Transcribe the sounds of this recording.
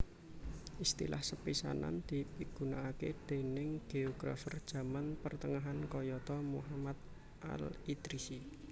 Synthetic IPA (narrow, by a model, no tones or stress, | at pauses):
ʔist̪ḭla̰hsəpisa̰na̰nd̪̥i̤piɡ̥unaːkḛd̪̥e̤nɪŋɡ̥eoɡ̥ɾa̰fərd̥ʒ̥ä̤manpərt̪əŋaɦankɔjɔt̪ɔmṵɦamad̪̚ | ʔa̰lid̪ɾisi